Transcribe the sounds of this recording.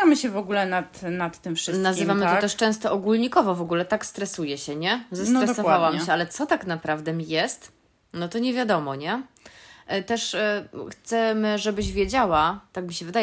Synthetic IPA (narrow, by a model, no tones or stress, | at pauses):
amɘɕɛvɔɡulɛnat̪nat̪ːɘmfʂɘst̪nazɘvamɘtt̪ɔt̪ɛʂt͡ʂɛ̃w̃st̪ɔʔɔɡulɲikɔvɔvɔɡulɛt̪akst̪ɾɛsujɛɕɛɲɛzast̪ɾɛsɔvawamɕɛalɛt̪sɔt̪aknapɾavd̪ɛmʲijɛst̪ | nɔt̪ɔɲɛvʲjad̪ɔmɔɲɛ | t̪ɛʂxt̪sɛmʐɛbɘʑvʲjed͡ʑawat̪akmʲiɕɛvɘd̪ajɛ